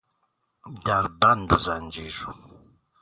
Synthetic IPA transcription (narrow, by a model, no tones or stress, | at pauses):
d̪aɾband̪uzand͡ʒiʒu